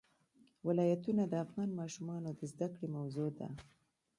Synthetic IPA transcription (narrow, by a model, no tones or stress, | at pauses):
wɪlɑjat̪unad̪əafɣɑnmɑʃumɑnod̪əzd̪akɽemawzod̪a̰